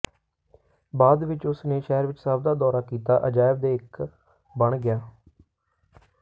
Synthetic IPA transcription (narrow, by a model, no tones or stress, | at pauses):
baːd̪ʋɪt͡ʃʊsneːʃɛːɾʋɪt͡ʃsəb̚d̪aːd̪ɔːɾaːkiːt̪a̰ːʔəd͡ʒaːɪbd̪eːɪk | bəɳɡɪjaː